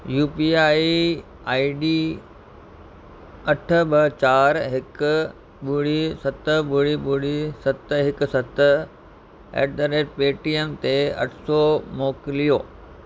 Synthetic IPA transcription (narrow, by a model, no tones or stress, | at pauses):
juːpiːaːi | aːiɖiː | ɐʈʰə̆bɐt͡ɕaːɾɦɪkʊ | ɓuːɽisɐt̪əɓʊɽiɓʊɽisɐt̪ɦɪkʊ̆sɐt̪ | ḛːɖɖəɾeːʈ̚peːʈiəmt̪eɐ̰ʈʰsɔːmoːkɪlijoː